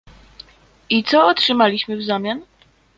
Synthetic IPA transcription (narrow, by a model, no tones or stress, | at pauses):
it̪sɔɔtʂɘmalʲiɕmɘvzamʲjan